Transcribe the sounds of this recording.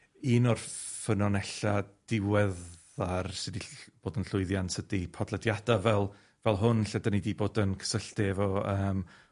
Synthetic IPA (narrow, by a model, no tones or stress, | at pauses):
iːnɔrfənɔnɛɬad̥ɪwɛ | arsɪdib̥oːdənɬʊɨðjansʰədipʰɔdlˠədjadavɛlˠ | vɛlˠɦʊnɬɛdanidiboːdənkʰə̥səɬtɛvɔəːm